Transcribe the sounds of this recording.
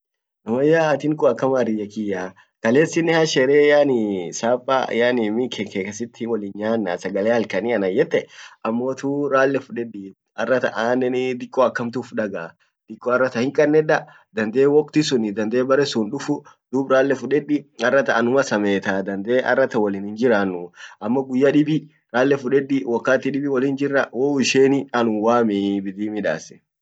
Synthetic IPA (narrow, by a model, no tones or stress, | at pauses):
nɐmɐjaːt̪ɪŋkʊɐkːɐmaɾɪjɐkɪjaː | kɐleːsːɪnːɛhɐʃɛɾeːjaːnɪsaːpʼːa̰janɪmɪkʰɛkekɐsɪt̪ʰːɪwɔlɪɲaːnːa̰sɐɡɐleːhɐlkɐniɐnɐjɛt̪ːɛɐmːoːt̪uːɾaːlːɛfʊᶑɛᶑɪ | ɐrːɐt̪ɐʔaːnːɛnɪd̪ɪkʼːɔɐkːɐmt̪ʊfᶑɐɡa | d̪̥ɪkʼːɔɐrːɐt̪ɐhɪŋkʼɐnːɛᶑɐ | d̪ɐnd̪eːwɔkʼt̪ɪsʊnɪd̪ɐnd̪eːbɐɾɛsʊnᶑʊfʊd̪uːbɾaːlːɛfʊᶑɛᶑːɪɐrːɐt̪ɐːnʊmɐsɐmeːt̪aːd̪ɐnd̪eːʔɐ̰rːɐt̪ɐwɐliːnhɪnd͡ʒɪɾaːnːʊʔɐmːɔɡʊjːɐᶑɪbɪ | ɾaːlːɛfʊᶑɛᶑɪwɔkːaːt̪ːɪᶑɪbɪwɐliːnd͡ʒɪrːɐwoɪʃeːnɪɐnʊwaːmɪbɪd̪iːmɪᶑa̰ːsɛ̥